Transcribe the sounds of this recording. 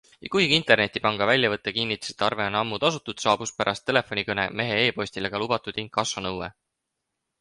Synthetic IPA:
jɑkujɡ̥iint̪ˑe̞rne̞t̪ːˑipɑŋɡ̥ɑvælʲːjɑvɤt̪ːˑekinːit̪ːˑu̥si̥t̪ːɑrve̞onɑmːud̪ɑsut̪ːˑud̪̥sɑːb̥us̚pæɾʔɑst̪ːe̞le̞fˑo̞nʲikɤne̞̰me̞ɦe̞e̞ːpo̞ɕʲsʲt̪ileɡ̥ɑlub̥ɑt̪ˑud̪̥iŋkːˑɑsːɑnɤwwe

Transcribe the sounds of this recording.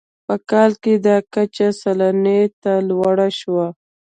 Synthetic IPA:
pəkɑlked̪ɑkat͡ʃasalanet̪alwaɽaʃwa

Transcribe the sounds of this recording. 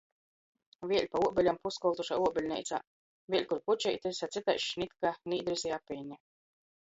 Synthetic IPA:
viɛlʲpauɔbʲɛlʲampuskɔlˠt̪uʃa̰uɔbʲelʲnɛ̰jt̪sa̰ | vʲiɛlʲkuɾput͡ʃɛ̰jt̪ɨsʲat̪sit̪a̰jʃnʲit̪kaniːd̪ɾisijapɛnʲa

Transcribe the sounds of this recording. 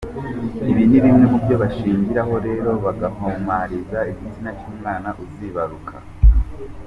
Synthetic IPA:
iβiniβimŋe̞mubjo̞βaʃiːɲɟiɾaho̞ɾe̞ːɾo̞βaɡahomwaɾizaiɟizinaɾt͡ʃuːmŋaːnaʔuziβaɾukʰa̰

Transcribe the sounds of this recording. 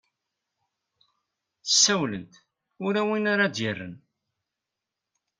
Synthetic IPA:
θə̥sːæwlənt̪ | ʊɾæwinaɾad̪jərːə̰n

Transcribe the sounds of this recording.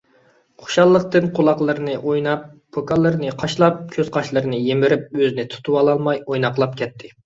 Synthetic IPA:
qʰo̥ʃɑlˠːəqt̪ɨnqʰolˠɑqlˠɨɾnɨʔojnɑp̚ːʰokɑlˠːɨɾnɨqʰɑʃlˠɑp̚kʲʰøz̥qʰɑʃlˠɨɾɨnɨjemɪɾɪp̚øzɪnɪt̪ʰu̥t̪ʰuwɑlˠɑlˠmɑjojnɑqlˠɑp̚kʲʰɛt̪ʰːɪ

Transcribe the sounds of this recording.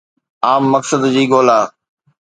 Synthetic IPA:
aːmːəksəd̪d͡ʑiːɡoːlaː

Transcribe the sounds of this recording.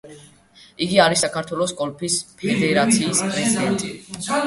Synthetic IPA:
iɡiaɾisakʰaɾt̪ʰwɛlˠɔsɡʼɔlpʰispʰɛd̪ɛɾat̪sʰiːspʼɾɛzid̪ɛnt̪ʼi

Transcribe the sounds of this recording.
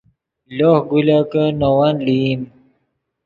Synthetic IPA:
loːhɡulakənowanlim

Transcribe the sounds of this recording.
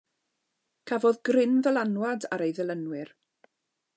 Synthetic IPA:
kʰavɔðɡrɪnðəlˠanwada̰ɾejðɛlˠənwɪr

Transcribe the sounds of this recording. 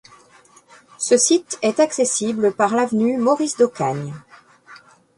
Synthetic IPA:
səsit̪ɛt̪aksesibləpaʁlavnymɔʁisd̪okaɲ

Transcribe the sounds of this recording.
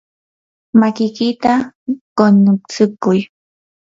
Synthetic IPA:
makɪkɪt̪akonʊt͡sɪkʊj

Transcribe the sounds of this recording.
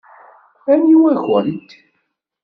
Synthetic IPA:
ænjiwæçənt̪

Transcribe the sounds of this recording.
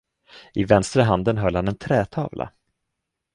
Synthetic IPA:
ʔɪvɛnst̪ɾəɦand̪ənɦœlːhanɛnt̪ʰɾɛːt̪ʰɑ̰ːvlʔa̰

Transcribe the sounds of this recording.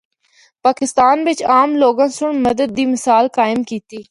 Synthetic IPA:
paːkɪst̪aːnʋɪt͡ʃaːmloːɡãːsʊɳmɐd̪əd̪̚ːiːmɪsaːlkaːɪmkiːt̪iː

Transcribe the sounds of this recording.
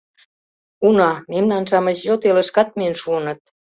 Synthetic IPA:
unɑmemnɑnʃɑmət͡ɕjot̪elə̆ʃkɑt̪̚miənʃuənə̆t̪̚

